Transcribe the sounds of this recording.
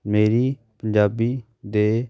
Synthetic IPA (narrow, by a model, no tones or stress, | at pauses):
meːɾiː | pəɲd͡ʒaːbiː | d̪eː